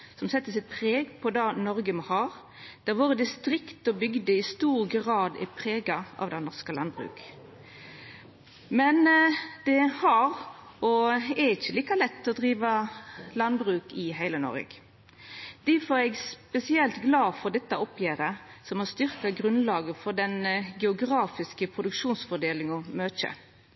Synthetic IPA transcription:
sɔmsɛt̪ːəsɪt̪̚pʰʁeːɡpʰɔd̪ɑnɔʁɡəmɑhɑːʁ | d̪̥æʁʋoːɾəd̪ɪst̪ɾɪkt̪ɔbʏɡd̪əɪst̪uːʁɡʁɑːd̪ɪ̰pʰʁeːɡɑʔɑ̰ʋd̪ɛnnɔʁskəlɑnbʁʉ̰ːk | mɛnd̪̥ɛhɑʁ | ɔɛɾɪçəliːkɑlɛt̪ːɔd̪ɾiːʋəlɑnbʁʉːkɪɦæɪlənɔ̰ɾɪ̰ɡ̥ | d̪̥iːfɔːɾɛɡspɛsɪɛlt̪ɡlɑːfɔd̪ɛt̪ːəɔpjæːɾəsɔmhɑst̪ʏʁkɑɡɾʉnlɑːɡəfɔʁd̪ɛnɡɛʊɡɾɑːfɪskəpʰɾʊd̪ʉkʂuːnsfɔd̪eːlɪŋɔmøːc͡çə̰

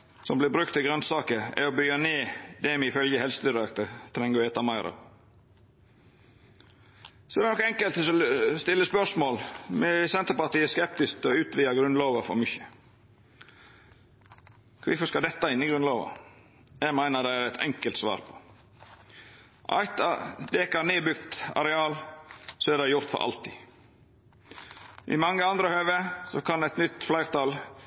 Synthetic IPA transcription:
sɔmblɪbɾʉkt̪ɪɡɾœnsɑːkəɛ̰ɔbʏɡəneːd̪ɛmɛɪfœljəhɛlsət̪d̪ʏɾɑkt̪ət̪ʰɾɛŋːəɾɛːt̪ɑmæɪɾɑ̰ | sɔd̪ɛɾnɔkːɛŋkəlt̪ɔst̪ɪlːəspœsmoːlmɛsɛnt̪əɾpɑt̪iːəskɛp̚t̪ɪst̪ɔʉːt̪ʋiːɑɡɾʉnloːʋəfɔ̰ɾmʏçə̥ | kʰʋɪfɔskɑd̪ɛt̪ːɑɪnːɪɡɾʉnloːʋə̰ | jæɡmæɪnəd̪æɪæɾæɪt̪ʰɛ̰ŋkəlt̪sʋɑ̰ːɾpʰɔ̥ | ʔɑ̰ɪt̪ɑd̪eːkɑɾneːbʏɡt̪ɑ̰ɾɛɑːlsɔæd̪æɪjʊɾt̪fɔ̰ɾʔɑ̰lt̪ʰɪ | ʔɪ̰mɑŋːəɑnd̪ɾəhøːʋesɔkʰɑnæɪt̪nʏt̪ːflæɪɾt̪ʰɑl

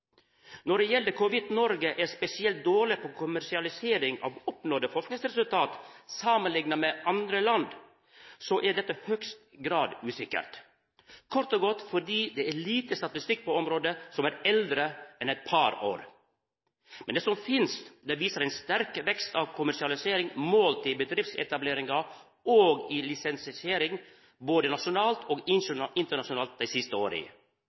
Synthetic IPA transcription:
nɔɖɛjɛldəɾkʰʊʋɪd̪nɔɾɡəʔæɾspɛsɪɛlt̪̚d̪oːɭɪpʰoːkʰʊmæɾʂɪɑlɪseːɾɪŋɑ̰ʋɔpnɔːd̪əfɔʂknɪŋsɾɛsʉlt̪ʰɑːt̪sɑːmənlɪŋnɑmɛʔɑnd̪ɾəlɑnd̪ | sɔʔæɖɛt̪ːəhœkst̪ɡɾɑːd̪ʉːsɪkə̰ɾt̪ | kʰɔɾt̪ɔɡɔt̪ːfɔɖiːd̪ɛæɭiːt̪əst̪ɑt̪ɪst̪ɪk̚ːpʰɔɔmɾoːd̪əsɔmæːɾɛld̪ɾəɛnɛɪt̪̚pʰɑɾo̰ːɾ | mɛnd̪ɛsɔmfɪnst̪d̪ɛʋiːsəɾɛɪnst̪æɾkʋɛkst̪ɑːʋkʰʊmæʂɪɑlɪseːɾɪŋmoːlt̪ʰɪlbəd̪ɾɪft̪sɛ̰t̪ɑbleːɾɪŋɑ | oːɡɪlɪsɛnsɪseːɾɪŋ | boːd̪ənɑʂʊnɑːlt̪ʰoːɡɪɪnt̪əɳɑʂʊnɑːlt̪̚d̪æɪsɪst̪əoːɾḭ

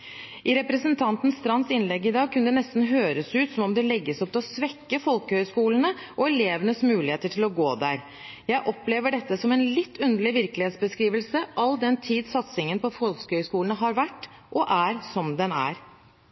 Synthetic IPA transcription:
ʔɪɾɛpɾɛsənt̪ʰɑnt̪nst̪ɾɑnːsɪnlɛɡːɪd̪ɑːɡ̚kʰʉnəd̪ɛnɛst̪n̩ɦøːɾəsʉːt̪sɔmɔmd̪ɛlɛɡːəsɔp̚ːt̪ʰɛɔsʋɛkːəfɔlkəhœʏskuːlənəʔɔɛleːʋənəsmʉːlɪheːt̪əʈʰɪlɔɡoːd̪æɾ | jæɪʔɔpleːʋəɖɛt̪ːəsɔmɛnlɪt̪ʰːʉnd̪əɭɪʋɪɾkəlɪheːt̪sbəskɾiːʋəlsəʔɑld̪ɛnt̪ʰiːd̪sɑt̪sɪŋənpʰɔfɔlskəhœʏskuːlənəɦɑɾʋæʈːʔɔʔæɾsɔmd̪ɛnæ̰ːɾ

